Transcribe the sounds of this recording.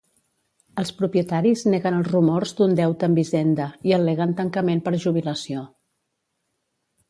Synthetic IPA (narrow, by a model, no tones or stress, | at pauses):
əlˠspɾupiət̪aɾizneɣənəlˠzrumɔɾzd̪und̪ɛwt̪əːmbizɛnd̪əiəleɣənt̪əŋkəmempəɾʒuβ̞iləsio